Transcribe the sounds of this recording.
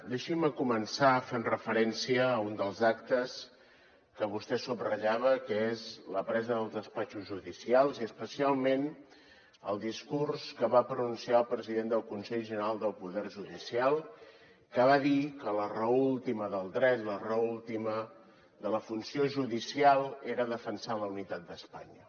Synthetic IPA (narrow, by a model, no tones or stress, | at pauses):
d̪eʃiməkumənsaəfemrəfəɾɛnsiəund̪əlˠzak̚t̪əs | kəβust̪ɛsubrəʎaβəkəezləpɾɛzəðəlˠd̪əspat͡ʃuzʒuðisialˠziəspəsialˠmen | ə̰lˠd̪iskurskəβapɾənunsiaəlˠpɾəziðend̪əlˠkunsɛʎʒənəɾalˠd̪əlˠpuðɛrʒuðisialˠ | kəβ̞aðikələrəulˠt̪iməðəlˠd̪ɾɛt̪lərəulˠt̪imə | d̪ələfunsioʒuðisialˠeɾəðəfənsaləunit̪at̪̚d̪əspa̰ɲə